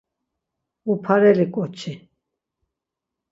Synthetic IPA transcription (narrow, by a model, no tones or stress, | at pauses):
upʰaɾɛɾikʼɔt͡ʃʰi